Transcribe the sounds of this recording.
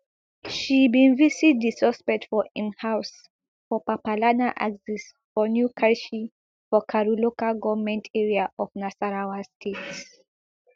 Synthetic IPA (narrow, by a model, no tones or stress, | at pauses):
ʃibĩnvisit̚d̪isɔspɛtfɔĩnhaws | fɔpapalanaʔa̰ɡsis | fɔnjukʰaɹʃi | fɔkʰaɹulokaɡɔvmɛ̃ntʰɛɹiaʔɔfnasaɹawastʰets